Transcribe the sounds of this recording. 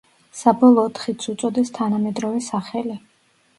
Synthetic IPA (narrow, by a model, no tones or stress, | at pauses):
sabɔlˠɔːt̪ʰχit̪sʰut̪sʼɔd̪ɛst̪ʰanamɛd̪ɾɔvɛsaχɛli